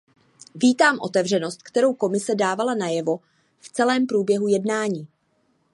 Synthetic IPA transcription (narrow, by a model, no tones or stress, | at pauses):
viːt̪aːmʔo̞t̪ɛvr̝ɛno̞st̪̚kt̪ɛɾo̞wko̞mɪsɛdaːvalanajɛvo̞ | ft͡sɛlɛːmpɾuːbjɛɦujɛdnaːɲiː